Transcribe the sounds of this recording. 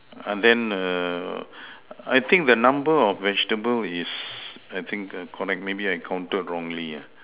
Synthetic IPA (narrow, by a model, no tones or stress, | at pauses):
ãndɛ̃nə | a̰jt̪ʰɪ̃ŋk̚d̪ənãmbəɔfvɛd͡ʒtəbəlisajt̪ʰĩŋkkʰɔɹɛk̚t̚mebiajkʰãw̃ntət̚ɹɔ̃ŋlia